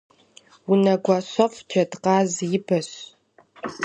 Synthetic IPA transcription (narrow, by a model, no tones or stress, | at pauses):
unɐɡʷaɕɐfd͡ʒʰɐdqɑːzjɪbɐɕ